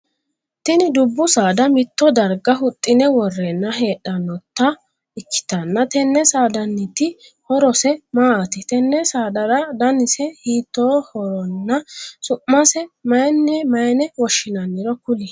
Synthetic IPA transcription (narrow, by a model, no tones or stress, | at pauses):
t̪ɪnɪd̪ʊbːʊsaːd̪ɐmɪt̪ːɔd̪ɐɾɡɐɦʊt̪ʼːɪnɛwɔrːenːɐɦe̞ːɗɐnːɔt̪ːɐ | ɪkʰːɪ̥t̪ɐnːɐt̪ɛnːɛsaːd̪ɐnːɪt̪ɪ | hɔɾɔsɛmaːʔɐt̪ɪt̪ɛnːɛsaːd̪ɐɾɐd̪ɐnɪsɛhiːt̪ːoːhɔɾɔnːɐsʊʔːɐsɛmɐjnːɛmɐjɛnɛwɔʃːɪnɐnːɪɾɔkʊlɪ